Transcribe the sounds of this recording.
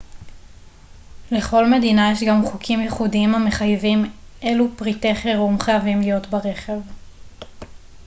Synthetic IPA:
le̞χo̞lme̞dinajeʃɡamχukʰimjeχudiimame̞χajvimʔe̞lupʁite̞χeʁumχajavimlijo̞tbaʁe̞χe̞v

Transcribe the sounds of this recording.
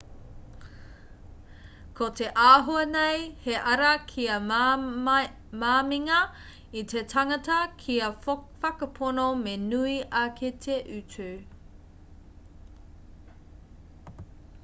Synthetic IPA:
kʰoteʔaːɦoɐnejheʔɐɾɐkʰiɐ | maːmiŋɐ | itʰetʰɐŋɐtɐkʰiɐfɐkɐpʰonomenuiʔɐkʰetʰeʔʉt͡sʉ

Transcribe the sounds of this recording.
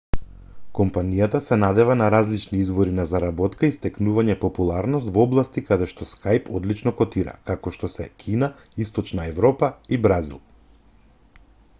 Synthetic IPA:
kɔmpanijat̪asɛnad̪ɛvanaɾazlit͡ʃniizvɔɾinazaɾabɔt̪kaist̪ɛknuvaɲɛpɔpulˠaɾnɔst̪vɔblˠast̪ikad̪ɛʃt̪ɔskajpʰɔd̪lit͡ʃnɔkɔt̪iɾa̰kakɔʃt̪ɔsɛkʰina | ist̪ɔt͡ʃnaɛvɾɔpaibɾazḭlˠ

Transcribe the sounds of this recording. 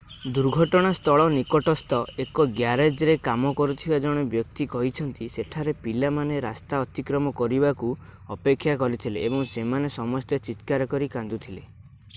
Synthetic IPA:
d̪uɾɡʱɔʈɔɽ̃ast̪ɔɭɔnikɔʈɔst̪ɔekɔɡjaɾed͡ʒɾekamɔkɔɾut̪ʰibad͡ʒɔɽ̃ɔbjɔk̚t̪ikɔɦit͡ʃʰɔnt̪iseʈʰaɾepilamaneɾast̪aɔt̪ikɾɔmɔkɔɾibaku | ɔpekʰːjakɔɾit̪ʰileːbɔŋsemanesɔmɔst̪et͡ʃit̪kaɾɔkɔɾikãnd̪ut̪ʰile

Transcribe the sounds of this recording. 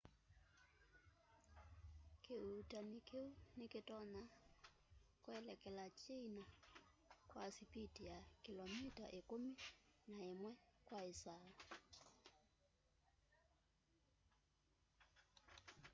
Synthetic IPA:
keutanikeunikɪtɔna | kwɛlɛkɛlat͡ʃiina | kwasipitijakilɔmita̰ʔikuminaemwɛkwaisaa

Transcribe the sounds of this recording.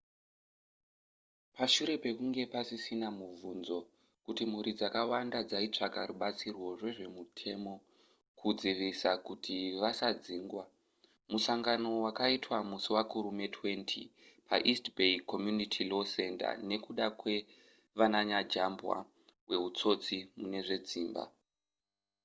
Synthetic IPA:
paʃuɾe̞pe̞kuŋɡe̞pasisinamuvʱunzo̞ | kutim̤uɾid͡zakawandad͡zait͡ʂakaɾuɓat͡sirwo̞ʐwe̞ʐe̞mutʰe̞mo̞ | kʰud͡ziʋisakutʰiʋasad͡ziːŋɡwa | musaŋɡano̞wakaitwamusuwakuɾume̞twe̞ntʰḭpʰa̰ʔistbeikʰomjunitʰilo̞se̞nta̰ne̞kuɗakwe̞ | ʋanaɲad͡ʒambwa̰ | we̞ut͡so̞t͡simune̞ʐe̞d͡ziːmba̰

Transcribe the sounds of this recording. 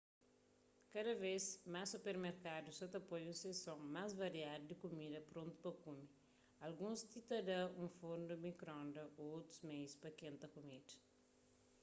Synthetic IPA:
kɐd̪ɐvesmasːupeɾmeɾkad̪usɔt̪ɐpojũsesõŋmazvɐɾiad̪d̪ikumid̪ɐpɾõnt̪u̥pɐkumi | ɐlɡũst̪it̪ɐd̪ɐũfoɾnd̪umikɾɔ̃nd̪ɐoot̪ɾuzmejspɐkẽnt̪ɐkumid̪ɐ

